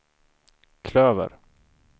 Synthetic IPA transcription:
kʰløːvə̰ɾ

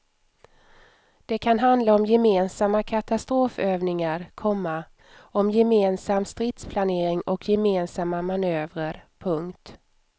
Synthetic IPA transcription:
d̪̥ɛkʰanɦand̪laɔmjɛmeːnsamːakʰat̪ast̪ɾoːføːvnɪŋaɾkʰɔmːa | ɔmjɛmeːnsamːst̪ɾɪt̪spʰlaneːɾɪŋɔkʰjɛmeːnsamːamanøːvɾəɾpʰɵŋkt̪

